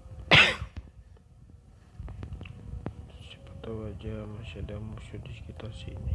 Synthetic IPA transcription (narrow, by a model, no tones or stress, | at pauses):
si̥pat̪awad͡ʒamasiadamusudiskit̪asiːni